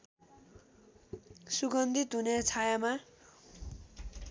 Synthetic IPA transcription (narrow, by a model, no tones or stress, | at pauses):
suɡʌnd̪ʱit̪ɦunet͡sʰajama